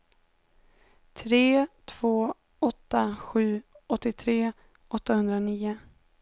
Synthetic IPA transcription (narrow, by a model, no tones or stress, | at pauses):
t̪ʰɾeːt̪ʰv̥oː | ɔt̪ːaɧʉ̟ː | ɔt̪ːɪt̪ʰɾeː | ɔt̪ːahɵnd̪ɾaniːʊ